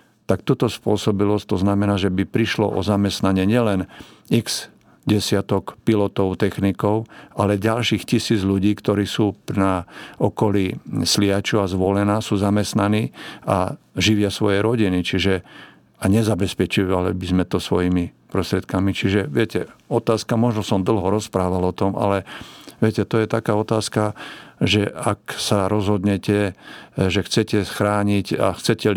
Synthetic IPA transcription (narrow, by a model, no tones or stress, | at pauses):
t̪ak̚t̪uːt̪ɔspʊɔsɔbilɔst̪ɔznamɛnaːʒɛbipɾiʃlɔ̰ʔɔ̰zamɛst̪naɲɛɲɪɛlɛnikz̥ | ɟɛsɪat̪ɔkpilɔt̪ɔʊt̪ɛxnikɔʊalɛɟalʃiːxcisiːd͡zʎuɟiːkt̪ɔɾiːsuːpnaɔkɔlislɪat͡ʃuazʋɔlɛnaːsuːzamɛst̪naniːa̰ | ʒiʋɪasʋɔjɛɾɔɟinit͡ʃiʒɛ | aɲɛzabɛspɛt͡ʃiʋalḭbizmɛt̪ɔsʋɔjimipɾɔst̪ɾɪɛt̪̚kamit͡ʃiʒɛʋɪɛcɛɔt̪aːskamɔʒnɔsɔmd̪l̩ɦɔɾɔspɾaːʋalɔt̪ɔma̰lɛʋɪɛcɛt̪ɔjɛt̪akaːɔt̪aːskaʒɛaksaɾɔzɦɔd̪ɲɛcɛ | ʒɛxt͡sɛcɛsxɾaːɲica̰xt͡sɛcɛ